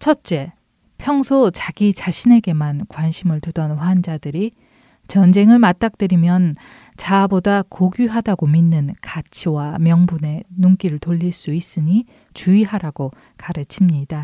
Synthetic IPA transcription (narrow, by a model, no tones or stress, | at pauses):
t͡ɕʰʌt̚t͡ɕ͈e̞ | pʰjʌŋsʰot͡ɕaɡit͡ɕaɕʰine̞ɡe̞mankwanɕʰimɯɭtudʌnɸwand͡ʑadɯɾi | t͡ɕʌnd͡ʑe̞ŋɯɭmat̚t͈ak̚t͈ɯɾimjʌn | t͡ɕabodakoɡuɦadaɡominːɯnkat͡ɕʰiwamjʌŋbune̞numk͈iɾɯɭtoʎːiɭs͈uis͈ɯɲi | t͡ɕuiɦaɾaɡ̥o | kaɾɯt͡ɕʰimɲida